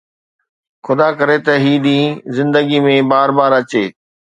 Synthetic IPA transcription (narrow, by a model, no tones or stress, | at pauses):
xʊd̪akɐɾet̪ɐɦiːɗ̪ĩːzɪ̃nd̪əɡimẽbaːɾbaːɾɐt͡ɕeː